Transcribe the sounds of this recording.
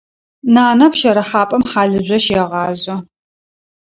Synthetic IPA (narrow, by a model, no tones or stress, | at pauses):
naːnɐpʃɐɾɐχɑːpʼɐmħɑːɮɨʑʷɔʃɛʁɑːzɐ